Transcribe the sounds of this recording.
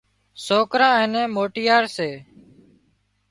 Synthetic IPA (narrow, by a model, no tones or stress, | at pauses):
soːkɾãːɛːnɛ̃ːmoːʈɪjaːɾseː